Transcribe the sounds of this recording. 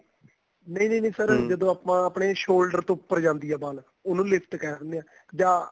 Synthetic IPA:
nəĩːnəːnə̃ːsəɾd͡ʒəd̪õːaːpãːəpɳeːʃoːlɖəɾt̪õːʊpːəɾd͡ʒãːnd̪iːɛːbaːl | ʊnũːlɪpʰt̪kɛːɾnd̪eːãː | d͡ʒaː

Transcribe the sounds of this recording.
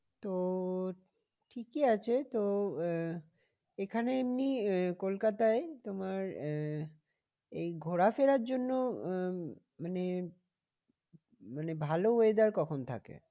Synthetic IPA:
t̪o | ʈʰikiat͡ɕʰet̪o | ekʰaneamnikolkat̪aet̪omaɾ | ejɡʱoɾafeɾaɾd͡ʑonːo | mane | manebʱaloɦoed̪aɾkɔkʰont̪ʰa̰kḛ

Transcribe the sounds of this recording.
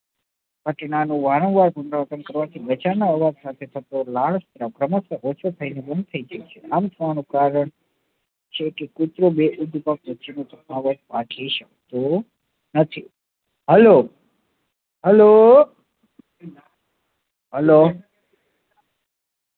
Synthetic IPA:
ɡʱəʈɳanũʋaɾə̃ŋɡʋaɾpunɾaət̪ənkəɾʋat̪ʰibət͡ʃanaəʋad͡ʒsat̪ʰet̪ʰət̪olaɭst̪ʰɾakɾəməsəʔot͡ʃʰot̪ʰəinebənd̪̚t̪ʰəid͡ʒajt͡ʃʰeʔamt̪ʰəʋanũpɾaɾəɳ | t͡ʃʰekekut̪ɾobeʔud̪ʱpakʋət͡ʃinõt͡ʃ̪əkaʋəd͡ʒpakʰiʃək̚t̪o | nət̪ʰi | ɦɛlo | ɦɛlo | ɦɛlo

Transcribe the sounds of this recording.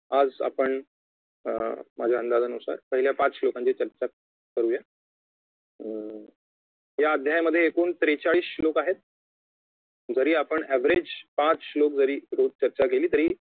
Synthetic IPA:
ad͡za̰pəɳ | mad͡ʑʱjaənd̪ad͡zənusa̰ɾpəɦiljapãt͡slokãɲt͡ɕiːt͡ɕəɾt͡ɕat̪̚ | kəɾuːja | ɦjaəd̪ʱjajməd̪ʱːjeːkoɳt̪ɾet͡ɕaɭiːslokaɦet̪̚ | d͡zəɾiːapəɳɛʋ̤ɾed͡ʑpãt͡slok̚d͡zəɾiːɾod̪̚t͡ɕəɾt͡ɕak̬eliːt̪əɾiː

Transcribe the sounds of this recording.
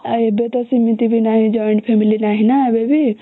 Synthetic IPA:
ebet̪ɔsimit̪ibʱinaɦid͡ʒɔiɳʈpʰemilinaɦinabebʱi

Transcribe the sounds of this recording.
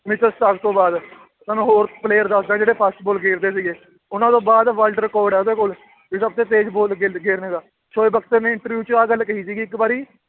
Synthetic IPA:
mɪt͡ʃəssaɡt̪õːbaːd̪ | mɛːnũːɦoːɾpleːəɾd̪əsd̪ẽːd͡ʒeːɽeːpʰaːsʈboːlɡeːɾd̪eːsiːɡeː | ʊnãːt̪õːbaːd̪ʋaːlɖəɾkɔːɖɛːd̪eːkʊl | ʋisəb̚t̪eːt̪eːd͡ʒboːlɡeɡeːɾnẽːɡaː | t͡ʃʰoːeːbəkt̪eːnẽːɪɳʈəɾʋjuːt͡ʃaːɡəlːkəɦiːsiːɡiːɪkbaːɾiː

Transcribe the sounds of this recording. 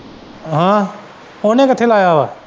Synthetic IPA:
ɦãː | oːnẽːkət̪ʰːelaːjaːʋaː

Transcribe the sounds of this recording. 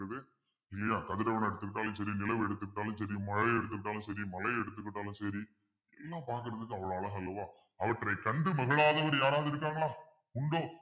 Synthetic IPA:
ɾɐðɯ | ɪlːɐjaːkɐðɯɾɐʋɐnɛɽɯt̪ːɯkːɪʈːaːlɯ̃sɐɾinɪlɐʋɛɽɯt̪ːɯkːɪʈːaːlɯ̃msɐɾimɐɻɐɪɛɽɯt̪̬ːɯkːɪʈːaːlɯ̃msɐɾimɐlɐɪɛɽɯt̪ːɯkːɪʈːaːlɯ̃msɐɾi | ɛlːãːpaːɾkɯɾɐðɯkːɯɐʋɐɭoɐɭɐɣɐɪlːɐʋaː | ɐʋɐʈrɐɪkɐɳɖɯmɐɣɐɭaːðɐʋɐɾjaːɾaːðɪɾɯk̬ːaːŋɡɐɭaː | ʊɳɖoː

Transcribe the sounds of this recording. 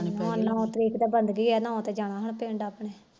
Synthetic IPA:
nanãːt̪əɾiːkd̪aːbənd̪ɡiːɡaːnãːõt̪eːd͡ʒaːɽaːɦəɳpɪːɳɖaːpɳeː

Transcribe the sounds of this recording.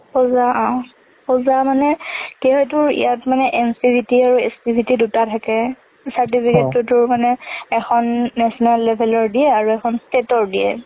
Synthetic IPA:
pɔzaã | pɔzamanɛkeɦɔt̬ʊɹḭjatmanɛʔɛnsibitiaɹuɛ̰stibʱitidutatʰakɛ | saɹtipʰiketːʊtʊɹmanɛɛxʰɔnːɛsɔnalːɛbʱɛlɔɹdijɛaɹuɛkʰɔnstetɔɹdijɛ̰

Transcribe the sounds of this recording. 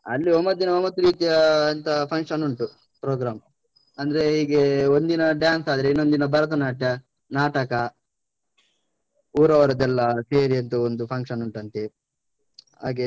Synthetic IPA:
ɐ̰lːiomːɐd̪inɐomːɐt̪uɾiːt̪ijɐːnt̪ɐpʰɐŋkʂɐnuɳʈu | pɾoːɡɾaːm | ɐnd̪ɐɾeiːɡeond̪inɐɖjaːnsaːd̪ɐɾeinːo̞nd̪inɐbɐɾɐt̪̬ɐnaːʈɐ | naːʈɐkɐ | uːɾɐʋɐɾɐd̪ɛlːɐseːɾiɐnt̪uond̪upʰɐŋkʂɐnuɳʈɐnt̪e | a̰ːɡe

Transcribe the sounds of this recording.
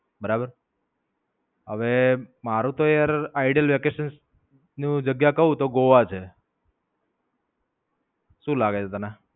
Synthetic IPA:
bəɾabəɾ | ɦəʋemaɾũt̪oejəɾaiɖijəlʋekeʃəns | nĩd͡ʒəɡjakəɦũt̪oɡoʋat͡ʃʰe | ʃũlaɡet͡ʃʰet̪əna

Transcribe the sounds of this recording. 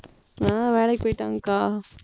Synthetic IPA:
aːʋeːlɐpoːjɪʈːaːŋɡɐkaː

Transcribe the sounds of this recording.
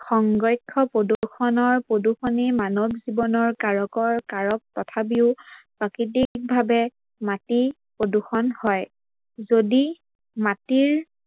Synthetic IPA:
xɔŋɡɹɔjkʰːɔpoduuxʰɔnɔɹpɹoduxɔnemanɔbzibɔnɔɹkaɹɔkɔɹkaɹɔk̚tɔtʰap̬iʊpɹakɹit̬ik̚bʱabɛ | mati | pɹoduxɔnhɔj | zodi | matiɹ

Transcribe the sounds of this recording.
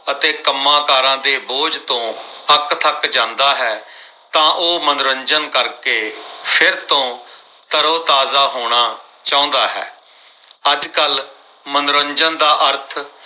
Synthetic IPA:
ət̪eːkəmːaːkaːɾãːd̪eːboːd͡ʒt̪õːpəkt̪ʰəkd͡ʒãːnd̪aːɦɛː | t̪ãːʔoːmənɾəɲd͡ʒənkəɾkeːpʰɪɾt̪õː | t̪əɾoːt̪aːzaːɦoːɽ̃aː | t͡ʃaːʊ̃ːnd̪aːɦɛ̰ː | əd͡ʒkəl | mənɾəɲd͡ʒənd̪aːʔəɾt̪ʰ

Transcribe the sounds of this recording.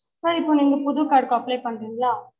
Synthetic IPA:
sɐɾɪpːoːniːŋɡɐpʊðʊkːaːɽkɔɐplɐɪjpɐɳːɾiːŋɡɐlaː

